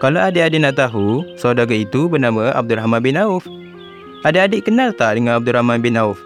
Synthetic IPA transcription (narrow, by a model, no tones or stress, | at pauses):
kaloʔadeʔadiʔnaʔt̪aɦusawdaɾait̪ubərnamãʔab̚duɾahmãnbɪnaʊf | ʔadeadɪʔkənalt̪aʔdəŋanab̚d̪uɾahmanbɪnaʊf